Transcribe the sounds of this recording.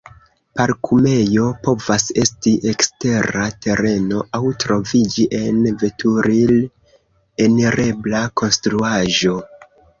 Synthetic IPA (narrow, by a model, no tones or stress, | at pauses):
paɾkʰume̞jo̞po̞vase̞stiʔe̞kste̞ɾate̞ɾe̞no̞ʔawtɾo̞vid͡ʒiʔe̞nve̞tʰuɾil | eniɾe̞blako̞nstɾuaʒo̞